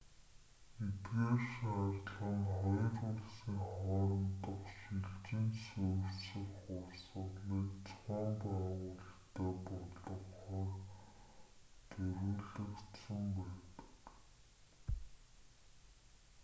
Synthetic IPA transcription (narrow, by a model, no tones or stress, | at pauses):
et̪ɣeːʃarɮə̆ŋχɔjɞ̆rʊɮsiːŋχɔːɾɞ̆mt̪ə̆χʃiɮt͡ɕɘ̆nsɵːrsɘ̆kχʊrɮsʊɮiːkt͡sʰχɔːmpaʁʊːɮt̪æːpɔɮɞ̆χχɔːr | t̪ʰɵɾuːɮə̆kt̪sə̆mpæːt̪ə̥̆k